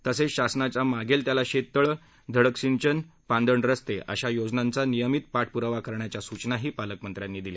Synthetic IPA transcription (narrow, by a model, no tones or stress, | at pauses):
t̪əseɕasnat͡ɕamaɡelt̪jalaɕet̪ːəɭ | d̪ʱəɽəksint͡ɕənpãnd̪əɳɾəst̪eʔə̰ɕajod͡znãnt͡sanijəmit̪̚paʈ̚ʰpuɾəʋakəɾɳjat͡ɕjasut͡ɕnaɦiːpaləkmənt̪ɾjanːiːd̪ile